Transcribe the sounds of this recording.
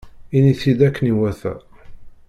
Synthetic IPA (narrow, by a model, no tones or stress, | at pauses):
iniθid̪ækːəniwæθæ̰